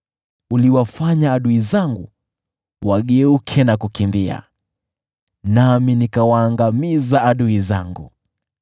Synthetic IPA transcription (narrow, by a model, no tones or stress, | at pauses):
uliwafaɲaːɗuizaŋɡu | waɠɛukʰɛnakukimbia̰ | naminikawaːŋɡamizaaɗuizaŋɡṵ